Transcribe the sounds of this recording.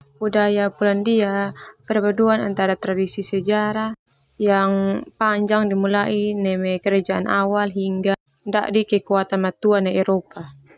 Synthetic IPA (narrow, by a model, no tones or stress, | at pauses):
budajapulandiapɛrbaduana̰nt̪aɾat̪ɾadisisɛd͡ʒaɾa | jaŋpaɲd͡ʒaŋdimulaʔinɛmɛkəɾad͡ʒaʔanʔawalɦiŋɡa | nda̰ʔdikɛkuat̪anmat̪uanaɛɾopa